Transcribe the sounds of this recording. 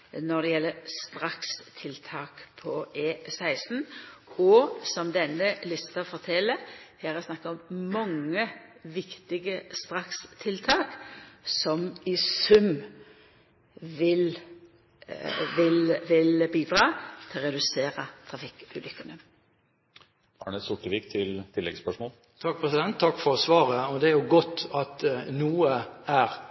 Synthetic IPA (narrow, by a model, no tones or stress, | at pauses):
nɔʁd̪ɛjɛlːəɾst̪ɾɑkst̪ʰɪlt̪ʰɑːkpʰɔʔeːsæɪsn̩ɔsɔmd̪ɛnːəlɪst̪ɑfɔʁt̪ʰɛlːəhɛːɾæsnɑkːɑɔmmɑŋːəʋɪkt̪ɪɡəst̪ʁɑkst̪ʰɪlt̪ʰɑːksɔmɪsʉm | ʋɪl | ʋɪlʋɪlbiːd̪ɾɑːt̪ʰɪlʁɛd̪ʉseːɾɑt̪ʰɾɑfɪkʉ̰ːlʔʏkːənə | ɑːɳəsʊʈːəʋiːkt̪ʰɪlt̪ʰɪlːɛɡspœʂmoːl | t̪ʰɑk̚ːpʰʁɛsɪd̪ɛnt̪t̪ʰːɑkːfɔɾsʋɑːʁəɔd̪ɛæɾjʊɡɔt̪ːɑt̪nuːəæɾ